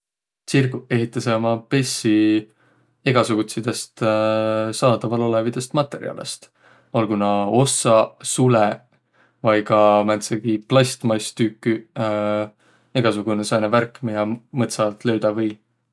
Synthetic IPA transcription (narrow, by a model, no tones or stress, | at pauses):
sirkue̞ɦit̪ːˑɑsemɑpe̞sːi | e̞ɡ̥ɑsuɡut̪sid̪̥est̪ | sɑːd̪ɑvɑlo̞levid̪̥e̞st̪mɑt̪ːˑe̞ɾḭɑ̰lḛst̪ | ɑlɡunɑo̞sːɑsule | vɑjkɑmænt̪seɡ̥iplɑst̪mɑjst̪ykːy | e̞ɡ̥ɑsuɡ̥unesɑjneværkːˑmiɑmɤt̪sɑt̪lø̞wd̪̥ɑvɯj